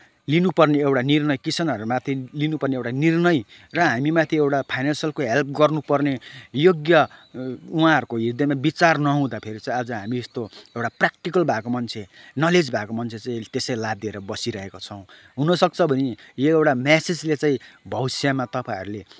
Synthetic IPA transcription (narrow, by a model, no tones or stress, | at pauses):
linupʌrneewʈanirnʌjkisʰʌnʌɾumat̪ʰilinupʌrneewʈanirnʌjrʌɦamimat̪ʰiewʈapʰajnansʌlkoɦelp̚ʰɡʌrnupʌrnejoɡjʌ | uɦãɦʌɾukoɦid̪emabit͡sarnʌɦũd̪apʰeɾit͡saĩad͡zʌɦamiest̪oewʈaprak̚ʈikʌlbʱakomʌnt͡sʰenʌled͡zbʱakomʌnt͡sʰet͡saĩt̪esʌjlab̚d̪ieɾʌbʌsiɾʌɦekot͡sʰʌw̃ | ɦunʌsʌk̚t͡sʰʌbʱʌnijoewʈamased͡zlet͡sãĩbʱʌwsamat̪ʌpãɦʌɾule